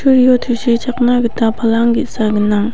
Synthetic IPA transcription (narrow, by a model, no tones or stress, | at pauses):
ɕʰorjot̪ʰəɕit͡ɕʰaχnakət̪apʰalaŋɡisakənaŋ